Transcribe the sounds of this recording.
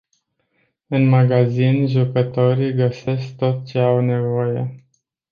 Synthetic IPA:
ɨnmaɡazinʒukət̪o̞ɾiɡəse̞sk̚t̪o̞t̪t͡ʃe̞awne̞vo̞je̞̰

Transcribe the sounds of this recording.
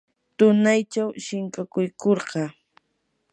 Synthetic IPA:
t̪ʊnajt͡ʃawʃɪŋkakʊjkoɾɢɑ

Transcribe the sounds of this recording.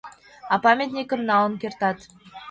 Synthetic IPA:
ɑpɑmʲet̪nekɘ̆mnɑlɤ̆nkʲert̪ɑt̪

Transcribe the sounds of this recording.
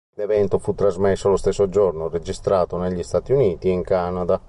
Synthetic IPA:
lɛvɛnt̪ofut̪ːɾazmɛsːolost̪esːod͡ʒornored͡ʒist̪ɾaːt̪oneʎːist̪at̪iuniːt̪iiŋkanad̪a

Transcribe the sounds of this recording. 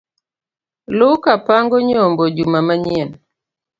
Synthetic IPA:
lʊkapaŋɡɔɲombod͡ʒumamaɲiɛn

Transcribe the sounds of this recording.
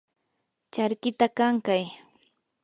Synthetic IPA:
t͡ʃaɾkɪt̪akaŋkaj

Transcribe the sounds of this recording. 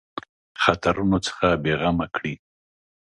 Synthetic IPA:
xat̪aɾunot͡sə̥xabeɣamakɽi

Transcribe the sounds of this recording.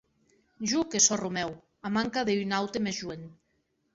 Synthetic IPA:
ʒukesɔrumɛw | amaŋkaðeynawt̪emezʒuen

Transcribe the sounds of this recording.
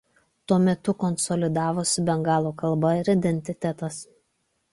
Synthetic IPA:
t̪uɔmʲɛt̪ʊkɔnsɔlʲɪd̪ɑːʋoːsʲʊbʲɛŋɡɑːlˠoːkɐlˠbɐɪɾɪd̪ʲɛnʲt̪ʲɪt̪ʲɛt̪ɐs

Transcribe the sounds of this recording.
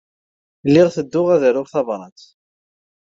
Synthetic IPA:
lːɪʁθəd̪ːʊʁæðəɾʊʁθɑvɾˤɑt̪

